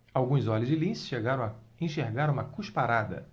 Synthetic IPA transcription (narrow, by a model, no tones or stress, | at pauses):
awɡũzɔlʊzd͡ʒɪlĩsɪ̥ʃeɡaɾɐ̃w̃ɐẽʃeɾɡaɾɐ̃ũmɐkuʃpaɾad̪ɐ̰